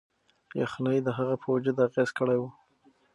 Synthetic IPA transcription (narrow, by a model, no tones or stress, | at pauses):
jaxnajd̪əɦaɣapʰəwad͡ʒəd̪aɣezkəɽajwu